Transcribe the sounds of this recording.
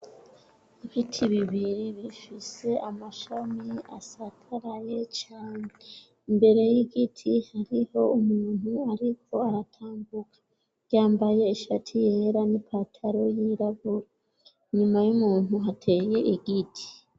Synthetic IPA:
iβitʰiβiβiɾiβifise̞ʔamaʃamiasatʰaɾaje̞t͡ʃaːɲe | imbe̞ɾe̞jiɡitʰihaɾiho̞umuːn̥huaɾikʰo̞aɾatʰaːmbukʰḁ | jaːmbaje̞iʃatʰije̞ɾanipʰaːtʰaɾo̞jiɾaɡuɾa | iɲumajumuːn̥uɦatʰe̞ːje̞ʔiɡitʰi̥

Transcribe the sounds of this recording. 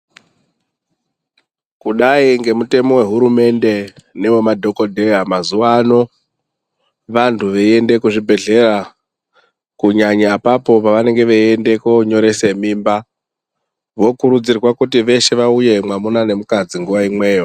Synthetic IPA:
kuɗaiŋɡe̞mute̞mo̞we̞ɦuɾume̞nde̞ne̞ʋomadʱo̞ko̞dʱe̞jamazuaːno̞ | ʋantʰuʋeende̞kuʐibʱe̞ɮe̞ɾa | kuɲaɲapapo̞paʋane̞ŋɡe̞ʋeende̞koɲo̞ɾe̞se̞miːmba | ʋo̞kuɾud͡zirwakutiʋe̞ʃe̞ʋauje̞mwamunane̞mukad͡ziŋɡuʋaimwe̞ːjo̞

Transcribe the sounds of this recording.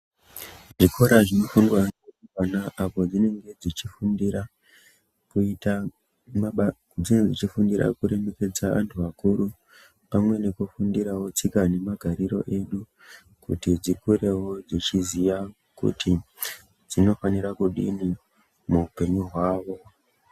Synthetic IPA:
ʐiko̞ɾaʐino̞fundwaneukanaʔapo̞d͡zine̞ŋɡe̞d͡zit͡ʃifundiɾa | kuita | m | d͡zined͡zit͡ʃifundiɾa̰kuɾe̞me̞ke̞d͡zaʋa̰ntʰuʋakuɾu | pamwe̞ne̞kufundiɾawo̞t͡sikane̞maɡʱaɾiɾo̞̰ʔe̞ɗu | kṵtid͡zikuɾe̞wo̞d͡zit͡ʃiziʋa | kṵtʰi | d͡zino̞faniɾakuɗḭni | muupe̞ɲuɦwaːʋo̞

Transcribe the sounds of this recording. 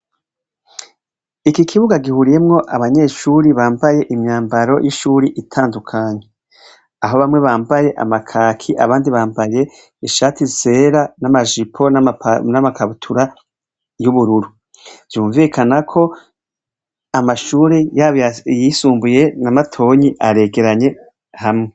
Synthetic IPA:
ikikʰiβuɡaɡihuɾije̞mŋo̞ʔaβaɲe̞ːʃuːɾiβaːmbaje̞ʔimɲaːmbaɾo̞̰jʔiʃuːɾiʔitʰaːndukʰaːɲe | aɦo̞βamŋe̞βaːmbaje̞ʔa̰makʰaːkʰiʔa̰βaːndiβaːmbaje̞ | iʃaːtize̞ːɾanamaʒipʰo̞nanamakaβutʰuɾa | juβuɾuɾu | z̥juːɱvikʰanakʰo̞ | amaʃuːɾijaβjisuːmbuje̞namatʰo̞ːɲiʔaɾe̞ɡe̞ɾaɲe̞ | hamŋe̞

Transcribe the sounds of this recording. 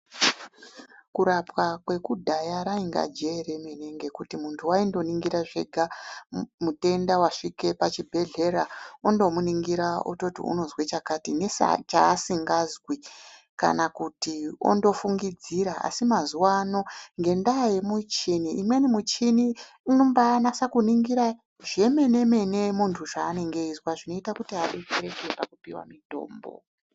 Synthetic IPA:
kuɾapwakwe̞kudʱajaɾaiŋɡa̰d͡ʒe̞ɾemeneŋɡe̞kutimuntʰuwaindo̞niŋɡiɾaʐe̞ɡʱa | mute̞ndawaʂike̞pat͡ʃibʱe̞ɮe̞ɾao̞ndo̞muniŋɡiɾao̰to̞tḭṵno̞zwet͡ʃakatine̞sa̰t͡ʃa̰ːsiŋɡazwi | ka̰nakutio̰ndo̞fuŋɡid͡ziɾaa̰simazuwano̞ŋɡe̞ndajemut͡ʃiniʔimwe̞nimut͡ʃini | inombaːnasakuniŋɡiɾa | ʐe̞me̞ne̞me̞ne̞muntʰuʐaːne̞ŋɡe̞izwaʐino̞itakutiaɗet͡ʃeɾekepakupiwa̰mito̰ːmbo̰

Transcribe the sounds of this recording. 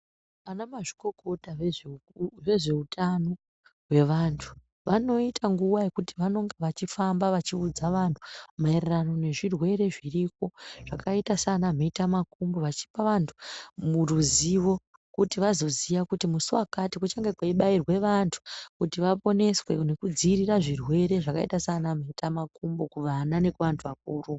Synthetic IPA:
anamaʐiko̞ko̞tae | ʐe̞ʐe̞utʰano̞ | ɦwe̞ʋantʰu̥ | ʋano̞itʰaŋɡuwaekutiʋano̞ŋɡeʋat͡ʃifambaʋat͡ʃiud͡zaʋantʰu̥maererano̞ne̞ʐirwe̞ɾe̞ʐirik̚o̞ʐ̥akʰaitasanameitamakumboʋat͡ʃi̥paʋantʰu̥muruziʋo̞ | kutiʋazo̞ziʋakutimusuwakatikut͡ʃaŋɡekwaiɓairwe̞ʋantʰu̥kutiʋapo̞ne̞swe̞ne̞kud͡ziriraʐirwe̞ɾe̞ʐaka̰ḭtasanam̤eitamakumbokuʋanane̞kuʋantʰuʋak̚uːru

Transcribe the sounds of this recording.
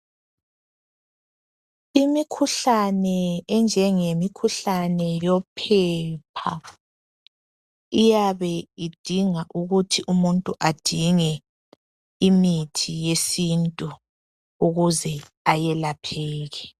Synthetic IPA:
imikʰuɬanɛːnd͡ʒʱɛŋemikʰuɬanɛjɔpʰɛpʰa̰ | ijaβɛid̥ʱiŋaʔuɣutʰiʔumuntʼuʔad̥ʱiŋɛ | imitʰijesintʼu | uɣuzɛ | ajɛlapʰɛːɣɛ

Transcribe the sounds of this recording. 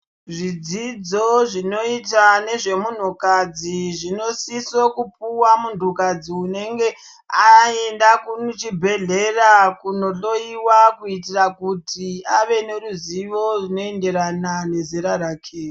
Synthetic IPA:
ʐid͡zid͡zoʐino̞itane̞ʐe̞mun̤ukad͡ziʐino̞sisokup̚uwamundukad͡ziune̞ŋɡe̞ | aendakut͡ʃibʱe̞ɮerakuno̞ɬo̞iwakuitirakutiaʋe̞ne̞ruziʋo̞runo̞ende̞ɾanane̞zeɾaɾaːkʰe

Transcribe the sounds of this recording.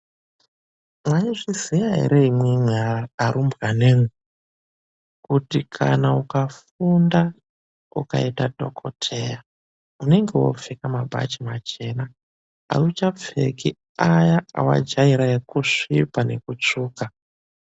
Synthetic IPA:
mwaiʐizijaɦḛɾe̞imwemweaaɾumbɣane̞ːmwe | kutikʰa̰naukaf | unda | uka̰itadʱo̞kʰo̰tʰe̞ja | une̞ŋɡewo̰fekamabʱa̰t͡ʃimat͡ʃe̞na | a̰ut͡ʃap͡fḛki | ajaa̰wa̰d͡ʒaiɾaekuʂipane̞kut͡ʂuːka

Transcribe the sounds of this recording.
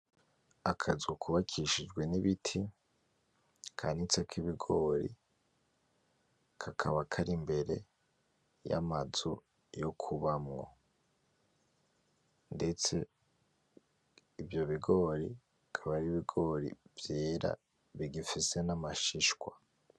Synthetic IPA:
akʰazukuβakʰiʃid͡ʒɡwe̞niβitʰi | kʰanit͡sekiβiɡo̞ːɾḭ | kʰakʰaβakʰaɾimbe̞ɾe̞̰ | ja̰mazu | jo̞kʰuβamŋo̞̰ | nde̞t͡se̞ | ivjo̞βiɡo̞ːɾi | kʰaβaɾiβiɡo̞ːɾḭvje̞ːɾa̰ | βiɡifise̞namaʃiʃkwa

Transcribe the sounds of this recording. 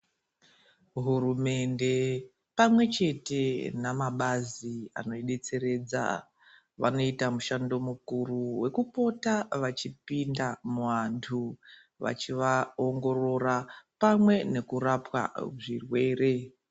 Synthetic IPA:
ɦurume̞nde̞ | pamwe̞t͡ʃe̞te̞namaɓazia̰no̞iɗe̞t͡se̞ɾe̞d͡za̰ | ʋa̰no̞itamuʃando̞mukuruwe̞kupo̞taʋat͡ʃipindamuʋantʰu | ʋa̰t͡ʃiʋao̞ŋɡo̞ro̞rapamwe̞ne̞kuɾapwa̰ʐirwe̞ːre̞

